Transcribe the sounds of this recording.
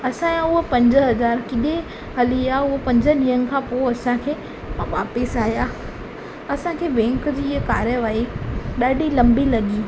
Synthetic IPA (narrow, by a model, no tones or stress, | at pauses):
ɐsãjãʊɦopɐ̃ɲd͡ʑə̆ɦɐzaːɾkɪɗe | ɦɐliaːʊɦopɐ̃ɲd͡ʑəɗĩːənɪ̆kʰãpoɐsãkʰeː | ʋaːpɪsaːɦijaː | ɐsãkʰeːbɛ̃ːŋkd͡ʑiːɦkaːɾjəʋaːiɗaːɖʱilɐ̃mbilɐɠiː